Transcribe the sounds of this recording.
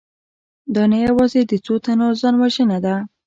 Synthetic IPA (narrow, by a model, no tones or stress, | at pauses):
d̪ɑnejawɑzed̪ət͡sot̪anozɑnwaʒənad̪a